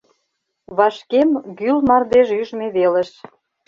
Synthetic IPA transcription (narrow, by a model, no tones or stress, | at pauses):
βɑʃkemɡylmɑrd̪eʒyʒmeβelə̆ʃ